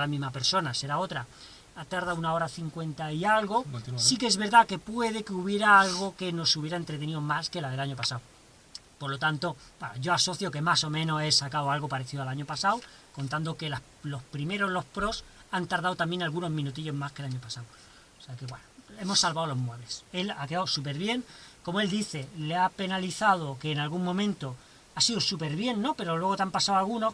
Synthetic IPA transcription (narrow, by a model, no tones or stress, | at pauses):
lamĩzmape̞ɾso̞nase̞ɾao̞t̪ɾa | at̪aɾðaunao̞ɾaθiŋkwe̞nt̪aialɣo̞sikee̞zβe̞ɾðake̞pwe̞ðe̞keuβje̞ɾaalɣo̞ke̞no̞suβje̞ɾaent̪ɾet̪e̞niðomaske̞laðe̞laɲo̞pasaw | poɾlo̞t̪ant̪o̞ | baʝo̞aso̞θjo̞ke̞maso̞mẽ̞no̞e̞sakawalɣo̞paɾe̞θiðoalaɲo̞pasaw | ko̞nt̪and̪o̞ke̞la | lohpɾime̞ɾo̞zlo̞hpɾo̞sant̪aɾðawt̪amje̞nalɣuno̞zmĩnut̪̬iʎo̞zmaske̞laɲopasaw | seake̞βwenoe̞mo̞sːalβawlo̞ɦmwe̞βle̞se̞lakeawsup̬e̞ɾβje̞ŋko̞moe̞ld̪iθe̞leape̞naliθaðo̞ke̞ːnalɣuŋmõ̞mẽnt̪o | asiðosupe̞ɾβ̞je̞nːo̞pe̞ɾo̞lwe̞ɣ̞o̞t̪eampasawalɣuno̞